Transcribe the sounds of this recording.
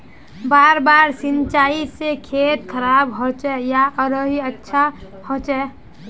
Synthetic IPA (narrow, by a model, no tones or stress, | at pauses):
baːɾbaːɾsɪ̃nt͡ʃaːisekʰeːt̪̚kʰəɾaːbɦot͡ʃɛjaʔəɾəɦiətːʃʰa | hot͡ʃɛ